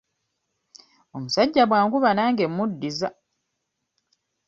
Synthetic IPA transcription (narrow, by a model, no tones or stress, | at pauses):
o̞musaɟːaβwaːŋkuβanaːŋɡe̞mːudːiza